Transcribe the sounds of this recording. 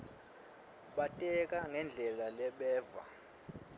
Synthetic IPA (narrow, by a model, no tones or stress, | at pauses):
ɓatʼɛk̬ʼaŋɛnd͡ɮʱɛlalɛɓɛːva̰